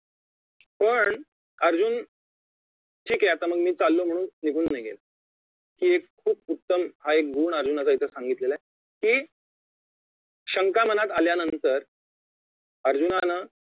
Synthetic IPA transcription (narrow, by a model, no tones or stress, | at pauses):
pəɳ | əɾd͡ʑuːn | ʈʰiːkɛat̪aməɡmiːt͡salːom̤əɽ̃uːnniɡʱuːnːajɡḛl | kiːekʰːuːp̚ut̪ːəmɦaek̚ɡuːɳəɾd͡ʑunat͡sait̪ʰəsãŋɡit̪lela | kiː | ɕəŋkam̤ənat̪aljanənt̪əɾ | əɾd͡ʑunanə